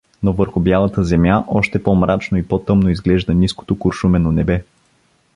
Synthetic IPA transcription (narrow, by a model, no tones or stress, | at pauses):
novɤɾxʊbjalˠɐt̪əzɛmjaʔɔʃt̪ɛpɔmɾat͡ʃnoipɔt̪ɤmnoizɡlɛʒd̪ənisko̥t̪okʊɾʃumɛnonɛbɛ